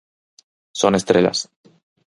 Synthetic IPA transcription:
so̞ne̞st̪ɾela̰s

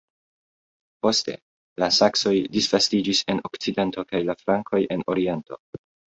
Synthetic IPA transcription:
po̞ste̞̰ | lasakso̞jdisv̥astid͡ʒise̞no̞kt͡side̞nto̞kajlaflaŋkʰo̞jʔe̞no̞ɾie̞nto̞̰

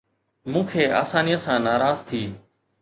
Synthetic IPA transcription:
mũːkʰeːa̰ːsaːniːə̃sãːnaːɾaːzt̪ʰiː

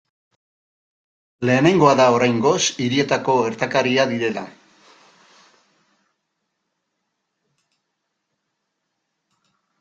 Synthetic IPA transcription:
le̞ːne̞ŋɡo̞aðao̞ɾajŋɡo̞siɾie̞t̪ako̞eɾt̪akaɾiaðiɾe̞la

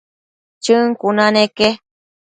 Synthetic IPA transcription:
t͡ʃɨŋkunaneke

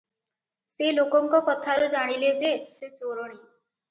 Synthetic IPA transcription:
selokɔŋkɔkɔt̪ʰaɾud͡ʒaɽ̃iled͡ʒeset͡ʃoɾoɽ̃i

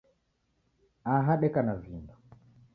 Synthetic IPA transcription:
aɦaɗɛkanavindɔ

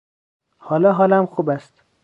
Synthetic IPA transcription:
hɒːlɒːɦɒːlæmxuːbæst̪

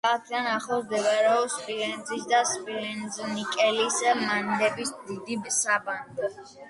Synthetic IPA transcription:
at̪ʰd̪anaχlˠɔd̪ɛvaɾɛɔspʼilɛnd̪zisd̪aspʼilɛnznikʼɛlismand̪ɛbisd̪id̪ibsaband̪

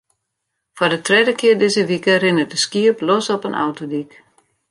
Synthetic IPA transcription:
fɔdətrɛdəkʰɪərdɪzəʋikərɪnərdəskiəplɔsɔpənʔa̰wtodik

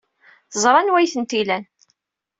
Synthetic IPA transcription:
θəzˤɾˤɑnwæjθənt̪ilæn

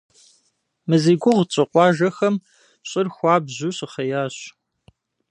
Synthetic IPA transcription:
mɨziːɡʷʊʁt͡ʃʼɪqʷʼɑːʒɐxɐm | ɕʼɪrxʷɑːbʑuɕɨχɐjaːɕ

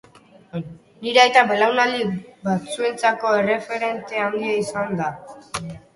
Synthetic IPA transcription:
niɾeajt̪abe̞lawnalibat͡sue̞nt͡sako̞ere̞fe̞ɾe̞nt̪e̞and̪iaisand̪a

